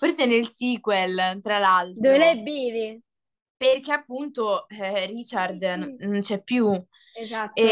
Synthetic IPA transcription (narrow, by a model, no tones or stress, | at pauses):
forsenelsiːkwɛlt̪ɾalalt̪d̪ovelɛjɛbːɛːve | perkeapːunt̪orit͡ʃard̪nont͡ʃɛpːju | at̪ː